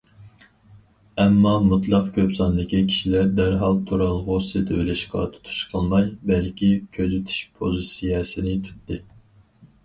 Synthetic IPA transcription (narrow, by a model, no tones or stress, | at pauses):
ɛmːɑmut̪lˠɑqkʲʰøpsɑnd̪ɨkʲikʲʰi̥ʃilæɾd̪æɾɦɑlˠt̪ʰuɾɑlˠʁosɨt̪ʰøjlɛʃqɑ̰t̪ʰu̥t̪ʰu̥ʃqʰəlˠmɑjbælkʲʰikʲʰøzyt̪ʰy̥ʃpʰozɨsijɛsɪnɪt̪ʰy̥t̪ːɪ